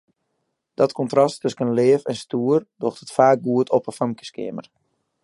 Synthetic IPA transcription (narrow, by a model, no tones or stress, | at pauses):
d̥ɔtkɔntrɔstʰøskənleːfɛnstuːərdoəxtətfaːk̚ɡuətʰɔpəfamkə̥skɪ̰əmə̰r